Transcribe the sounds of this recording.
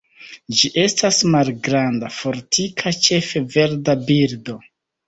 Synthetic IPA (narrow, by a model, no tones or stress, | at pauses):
d͡ʒiʔe̞stasmalɡɾandafo̞ɾtʰikʰat͡ʃe̞fe̞ve̞ɾdabiɾdo̞